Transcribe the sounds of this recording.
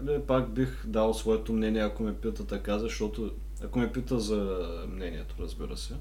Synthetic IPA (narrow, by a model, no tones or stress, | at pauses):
lipaɡbixd̪alˠsvɔɛt̪omnɛniɛɐkomɛpit̪ət̪ɐkazɐʃt̪ɔt̪o | ɐkomɛpit̪əzɐ | mnɛniɛt̪oɾɐzbiɾə̰sɛ